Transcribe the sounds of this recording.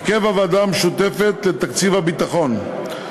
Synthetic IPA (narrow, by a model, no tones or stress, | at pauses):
kevavadameʃut̪e̞fet̪le̞t̪akt͡sivhabit̪aχo̞n